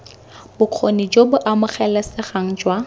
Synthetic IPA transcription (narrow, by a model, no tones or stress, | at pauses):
bʊq͡χʰonid͡ʒobʊʔamʊχɛlasɪχaŋ̩d͡ʒwa